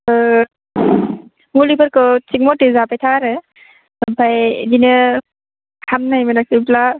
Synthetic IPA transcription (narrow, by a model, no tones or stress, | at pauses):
mulibɯɾkɔtik̚mɔtizapajtʰaɾɯ | bʱajdinɯ | kʰamnajmɯnak̚sipla